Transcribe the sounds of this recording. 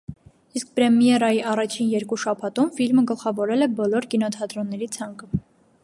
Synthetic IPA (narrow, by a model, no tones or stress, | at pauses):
isk̚pɾɛmjɛɾɑjiʔɑrɑt͡ʃʰinjɛɾkuʃɑpʰɑt̪umfilməɡəlχɑvɔɾɛlɛbɔlɔɾkinɔt̪ʰɑt̪ɾɔnːɛɾit͡sʰɑŋkə